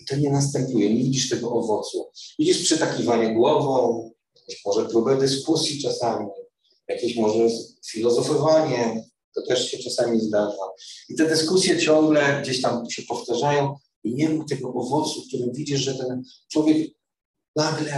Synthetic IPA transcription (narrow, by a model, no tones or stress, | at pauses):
t̪ɔɲɛnast̪ɛmpujɛɲɛvʲid͡ʑiʂt̪ɛɡɔʔɔvɔt̪suvid͡ʑiʂpʂɛt̪akʲivaɲɛɡwɔvɔ̃w̃jakʲɔ̃ɕmɔʐɛpɾubɛd̪ɘskusʲjit͡ʂasamʲi | jakʲeɕmɔʐɛfʲilɔzɔfɔvaɲɛ | t̪ɔt̪ɛʂɕɛt͡ʂasamʲizd̪aʐait̪ɛd̪ɘskusʲjɛt͡ɕɔ̃ŋɡlɛɡd͡ʑeɕt̪amɕɛpɔft̪aʐajɔ̃w̃ | iɲɛmukt̪ɛɡɔʔɔvɔt̪suk̚t̪uɾɛvʲid͡ʑiʐʐɛt̪ɛn | t͡ʂwɔvʲjɛk | naɡlɛ